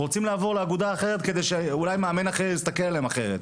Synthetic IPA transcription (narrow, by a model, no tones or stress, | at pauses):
ʁot͡simlaaːvo̞ʁleaɡud̪aːχe̞ʁet̪ked̪e̞jʃeulajmeamenaχeist̪akelalemaχe̞ʁet̪